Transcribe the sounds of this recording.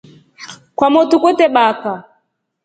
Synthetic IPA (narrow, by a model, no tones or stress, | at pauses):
kwamɔtukɔtɛɓaka